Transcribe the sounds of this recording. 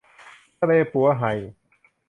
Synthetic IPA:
leː˧pu˩˦ɐɦa˨˩j

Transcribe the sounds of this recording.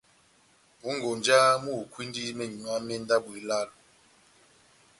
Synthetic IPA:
bu˨˦ŋɡo˨nd͡ʒa˦mu˦˨kwi˦ndi˦mɛ˨ɲu˨a˦mɛ˦n˦da˦bu˨i˨la˦˨lu˨

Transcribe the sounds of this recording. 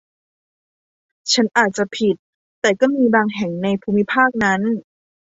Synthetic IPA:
t͡ɕʰa˦˥nʔaː˨˩t̪̚t͡ɕa˨˩pʰi˨˩t̪̚ː | ɛː˨˩kɔː˥˩miː˧baː˧ŋɦɛ˨˩˦ŋna˧jpʰuː˧mi˦˥pʰaː˥˩k̚na˦˥n

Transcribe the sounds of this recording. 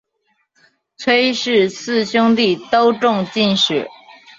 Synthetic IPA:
t͡sʰwe˥ɪʂɻ̩˥˧sɹ̩˥˧ɕʊ˥ŋt̪i˥˩˨t̪o˥ʊʈ͡ʂʊ˥˧ŋt͡ɕi˥˧nʂɻ̩˨˩

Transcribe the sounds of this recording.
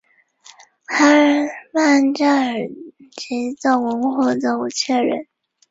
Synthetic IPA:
tʰa˥˧ma˥˧nt͡ɕa˥˩ə˨˩t͡ɕi˧˥t͡sɑ˥˩ʊwə˧˥ŋxwɔ˥˩t͡so˥˩u˨˩t͡ɕʰɛ˥˩ɻə̰˧˥n

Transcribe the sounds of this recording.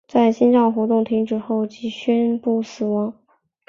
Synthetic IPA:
t͡sa˥˩ɪɕi˥nʈ͡ʂɑ˥˩ŋxwɔ˧˥t̪ʊ˥˩ŋt̪ʰi˧˥ŋʈ͡ʂɻ̩˨˧xo˥˩ʊt͡ɕi˧˥ɕɥɛ˥npu˥˩sɹ̩˨˩wɑ˧˥ŋ

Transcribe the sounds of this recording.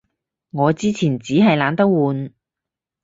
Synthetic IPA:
ŋɔː˨˧t͡siː˥t͡sʰiː˨˩nt͡siː˨˥ɦɐ˨jlaː˨˥nt̪ɐ˥k̚wuː˨˧n

